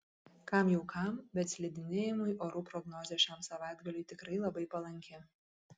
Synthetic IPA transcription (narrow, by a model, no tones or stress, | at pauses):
kɑmjɛʊkʰɑˑmbʲɛt̪sʲlʲɪd̪ʲɪnʲeːjɪmʊjʔoːɾuːpɾɔɡnɔːzʲeːʃʲæmsɐʋɑˑɪd̪ɡɐlʲʊɪt̪ʲɪkɾɐɪlˠɐbɐɪpɐlˠɐŋʲkʲɪ